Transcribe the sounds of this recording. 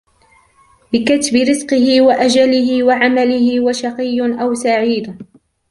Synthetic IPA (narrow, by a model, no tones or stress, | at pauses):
bɪkat̪bɪɾɪzqɨhɪwaʔad͡ʒalɪhɪwaʕamalɪhɪwaʃɑqɨjːʔawsaʕiːd̪